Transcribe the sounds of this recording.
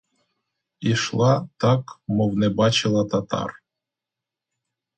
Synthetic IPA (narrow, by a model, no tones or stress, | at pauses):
iʃlˠɑt̪ɑkmovnɛbɑt͡ɕɪlˠat̪at̪ɑ̰r